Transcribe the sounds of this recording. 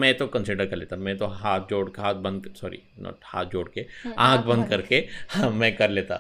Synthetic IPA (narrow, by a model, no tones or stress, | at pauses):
mɛ̃t̪okɐ̃nsɪɖəɾkɐɾleːt̪amɛ̃t̪oɦaːt̪̚d͡ʒoːɽkɦaːt̪̚bɐ̃nd̪̚sɔːɾḭ | no̰ha̰ːt̪̚ʰd͡ʒoːɽkeãːkʰbɐ̃nd̪kɐɾkemɛ̃ːkɐɾleːt̪a̰